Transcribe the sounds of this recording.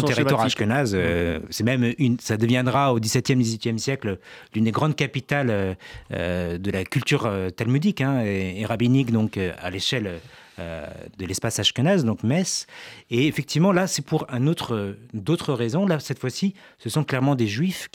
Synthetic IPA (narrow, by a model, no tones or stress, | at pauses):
t̪eʁiwaʁaʃkənazøsɛmɛmynsad̪əvjɛ̃d̪ʁaod̪isɛt̪jɛmd̪izɥit̪jɛmsjɛkllynd̪eɡʁɑ̃d̪̚kapit̪aløø̰d̪əlakʲylt̪yʁøt̪almyd̪ikɛ̃eːʁabinikd̪ɔ̃køa̰leʃɛløø̰d̪əlɛspasaʃkənazd̪ɔ̃kmɛseefɛk̚t̪ivmɑ̃lasɛpuʁɛ̃not̪χəd̪ot̪χəʁezɔ̃lasɛt̪fwasi | səsɔ̃klɛʁmɑ̃d̪eʒɥif